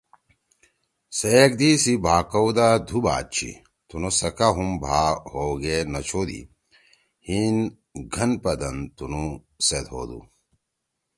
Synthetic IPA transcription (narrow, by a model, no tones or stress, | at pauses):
sek̚d̪isibʱaːkɐwd̪ad̪ʱuba̰ːt̪̚t͡ɕʰḭ | t̪unosɐkaɦumbʱaːhoɡenɐt͡ɕʰoːd̪ḭ | hin | ɡʱɐnpɐd̪ɐnt̪unu | set̪ho̰ːd̪ṵ